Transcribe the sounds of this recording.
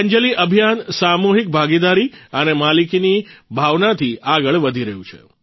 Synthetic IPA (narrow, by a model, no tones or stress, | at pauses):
əɲd͡ʒəliʔəbʱijansamuɦik̚bʱaɡid̪aɾiənemalikinibʱaʋnat̪ʰiaɡəɭʋəd̪ʱiɾəɦjũt͡ʃʰḛ